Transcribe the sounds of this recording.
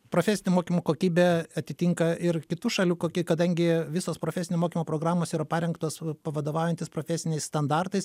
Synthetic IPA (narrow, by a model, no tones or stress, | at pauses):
pɾoːfʲɛːsʲɪnʲɛmoːkʲiːmoːkoːkʲiːbʲeɐt̪ʲɪt̪ʲiːŋkɐɪɾkʲɪt̪uːʃɐlʲuːkoːkʲikɐd̪ɐŋʲɡʲɪʋʲɪsoːspɾoːfʲɛsʲɪnʲɛmoːkʲimoːpɾoːɡɾɑːmoːsiːɾɐpɑːɾʲɛŋkt̪oːspɐʋɐd̪oːʋɑʊjɛnʲt̪ʲɪspɾoːfʲæsʲɪnʲɛɪsst̪ɐnd̪ɑɾt̪ɐɪs